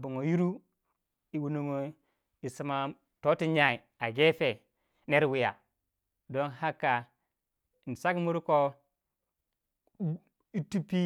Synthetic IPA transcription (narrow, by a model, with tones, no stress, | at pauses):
bu˨ŋo˨ju˦ɾu˦ | i˨wu˦nu˦ŋo˦ | i˨si˦ma˨ | to˦ti˦ɲa˦˨i˨ | a˨ɡe˦fe˨ | ne˦ɾwi˦ja˨ | do˦nha˦kːa˨ | n˨sa˦kmu˦ɾko˦ | i˦tu˦pi˦